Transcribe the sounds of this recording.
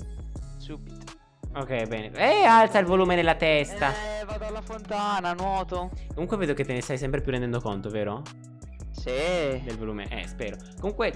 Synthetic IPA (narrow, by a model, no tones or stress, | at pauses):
subit̪o̥ | ok̟ɛjbɛːneɛalt̪sailvoluːmenelːat̪ɛst̪avad̪oalːafont̪aːnanwɔːt̪okomuŋkweveːd̪oket̪ːenest̪ajsɛmpɾepjurːɛnd̪ɛnd̪okont̪oveːɾo | ssid̪elvoluːmḛʔɛ̰spɛːɾo | komuŋkwe